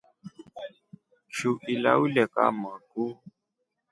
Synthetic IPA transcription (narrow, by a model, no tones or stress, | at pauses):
t͡ʃuʔila̰ulɛka̰maɡu